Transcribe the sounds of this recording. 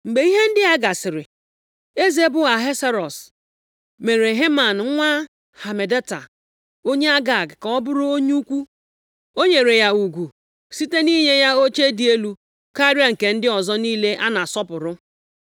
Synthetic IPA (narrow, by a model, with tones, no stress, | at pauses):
ŋ͡m̩˨ɡ͡be˨˦i˦ɦe˦n̩˦dɪ˦a˦ɡa˨sɪ˨ɾɪ˨ | e˦ze˦bʊ˦ɣa˨ɦe˦se˦ɾɔ˨s | me˨ɾe˨ɦe˦ma˨n˨˦ŋʷa˦ | ha˨me˨de˦ta̰˨ | o˦ɲe˦a˦ɡa˨ɡkɔ˦bʊ˦ɾʊ˦o˦ɲ˦u˦kʷu˦ | o˦ɲe˨ɾe˨ja˦u˨ɡʷu˨ | si˦te˦ni˦ɲe˦ja˦o˦t͡ʃe˦di˨e˦lu˦ | ka˦ɾi˦a˨ŋ̩˨ke˨n̩˦dɪ˦ɔ˨zɔ˦niː˦le˦ʔa˦na˨sɔ˦pʊ˨ɾʊ˦